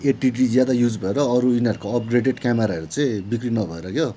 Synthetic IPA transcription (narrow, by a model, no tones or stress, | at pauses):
eʈiɖid͡zjad̪ajud͡zbʱʌeɾʌːɾuinʌɾukoʌp̚ɡreɖeɖkameɾaʌɾut͡sʌĩbikrinʌbʱʌeɾʌkjo